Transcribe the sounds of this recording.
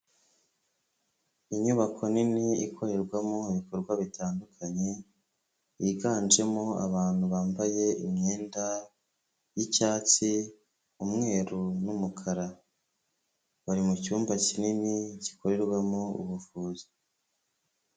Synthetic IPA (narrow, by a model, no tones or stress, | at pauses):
iɲuβakʰo̞niniikʰo̞ɾe̞ɾɡwamoiβiko̞ɾɡwaβitaːndukʰaɲe̞ | jiɡaːnd͡ʒe̞moa̰βaːn̥huβaːmbaje̞imɲeːnda | jicaːt͡si | umŋe̞ːɾunumukʰaɾa | βaɾimucuːmbacininici̥ko̞ɾe̞ɾɡwamoṵβufuːzi̥